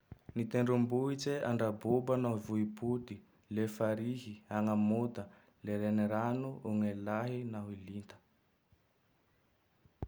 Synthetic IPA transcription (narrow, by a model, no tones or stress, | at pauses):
nit̪eɳɖ͡ʐumbuit͡seʔaɳɖ͡ʐabubanavuiput̪i | lefaɾiɦiaŋəmot̪ə | leɾeniɾanuʔuŋelaɦinaɦilint̪ə̥